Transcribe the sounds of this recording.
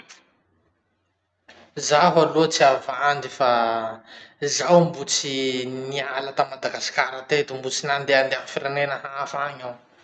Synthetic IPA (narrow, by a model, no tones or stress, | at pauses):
zaɦaluət͡siavand̪ifa | zawmbut͡sinialat̪amad̪aɡasi̥kaɾat̪et̪umbut͡sinand̪eand̪eafiɾenenəhafaɲaw